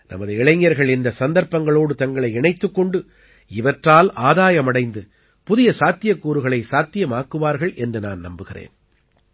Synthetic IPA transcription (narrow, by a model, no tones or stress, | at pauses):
nɐ̰mɐðɯɛɭɐŋjɐɾɣɐɭɪnd̪ɐsɐnd̪ɐɾpːɐŋɡɐɭoːɽɯt̪ɐŋɡɐɭɐɪɛɳɐɪt̪ːɯkːɔɳɖɯ | ɪʋɐʈraːlaːðaːjɐmɐɽɐɪnd̪ɯ | pʊðɪjɐsaːt̪ɪjɐkːuːɾɯɣɐɭɐɪsaːt̪ːɪjɐmaːkːɯʋaːɾɣɐɭʔɛndrɯna̰ːnnɐmbɯɣɪrḛːn